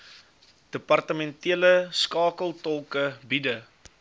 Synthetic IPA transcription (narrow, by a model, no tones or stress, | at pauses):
d̥əpɐrtəmɛntiələskɑːkəlˠtɔlˠkəbidə